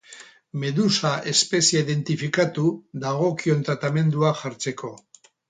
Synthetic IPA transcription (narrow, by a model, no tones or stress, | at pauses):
me̞ðusaʔe̞spe̞siaiðe̞nt̪ifikat̪uðaɣ̞o̞kio̞nt̪ɾat̪ame̞nd̪uaʝaɾt͡se̞ko̞